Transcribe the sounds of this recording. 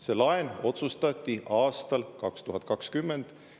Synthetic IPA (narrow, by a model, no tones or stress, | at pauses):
se̞lɑeno̞t̪sust̪ɑt̪ʲˑːiʔɑːst̪ɑlkɑkst̪uɦɑt̪̚ˑkɑkskymːe̞nd̪̥